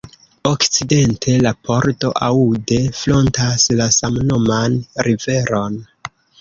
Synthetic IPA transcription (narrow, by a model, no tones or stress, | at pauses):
o̞kt͡side̞ntʰe̞lapʰo̞ɾto̞̰ʔaude̞flo̞ntaslasamnomanɾive̞ɾo̞n